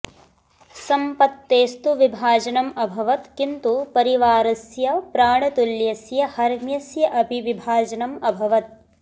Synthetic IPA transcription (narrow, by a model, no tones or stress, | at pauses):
sɐmpɐt̪ːeːst̪uʋibʱaːd͡ʒɐnɐmɐbʱɐʋɐt̪kint̪upɐɾiʋaːɾɐsjɐpɾaːɳɐt̪uljɐsjɐhɐɾmjɐsjɐʔɐbʱiʋibʱaːd͡ʒɐnɐmɐbʱɐʋɐt̪̚